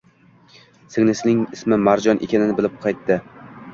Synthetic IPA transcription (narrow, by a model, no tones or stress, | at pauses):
sɪŋnɪsɪnɪŋɪsmɪmaɾd͡ʒɒnʔḛkʲanɪnɪbɪlɪp̚qʰɑjt̪ːɪ